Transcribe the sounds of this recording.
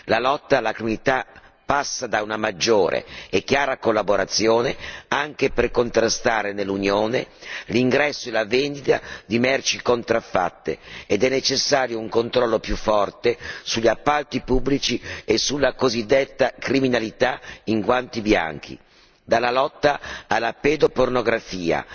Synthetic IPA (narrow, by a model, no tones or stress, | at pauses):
lalɔt̪ːaːlakɾiminit̪a | pasːad̪aunamad͡ʒːoːɾʔḛːkːjaːɾakolːaboɾat̪sːjoːneaŋk̟eperkont̪ɾast̪aːɾenelːunjoːneliŋɡɾɛsːoelavend̪it̪a̰d̪imɛrt͡ʃikont̪ɾafːa̰t̪ːḛed̪ɛnːet͡ʃesːaːɾjouŋkont̪ɾɔlːopjufːɔrt̪esuʎːiapːalt̪ipubːlit͡ʃiesulːakozid̪ːet̪ːakɾiminalit̪aiŋkwant̪ibja̰ŋk̟ʰḭ | d̪alːalɔt̪ːaːlːaped̪opornoɡɾafiːa̰